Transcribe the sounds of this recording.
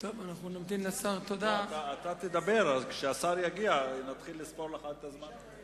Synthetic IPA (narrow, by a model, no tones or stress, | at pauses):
t̪ovanaχnunamt̪imlesaʁt̪od̪at̪aːt̪at̪ed̪abe̞ʁazkʃeasaʁjaɡianat̪χilːispoʁleaχat̪t̪azman